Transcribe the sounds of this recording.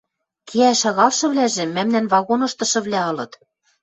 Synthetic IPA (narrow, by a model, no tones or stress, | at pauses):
kʰiæʃɑɣɑlʃɤ̆βlæʒĕmæmnænβɑɣonɤ̆ʃt̪ɤ̆ʃɤ̆βlʲæɤ̆lɤ̆t̪